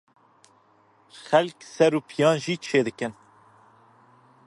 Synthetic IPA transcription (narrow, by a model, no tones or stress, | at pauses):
xɛlksɛɾuːpʰijɑːnʒiːt͡ʃʰeːd̪ɨkɨn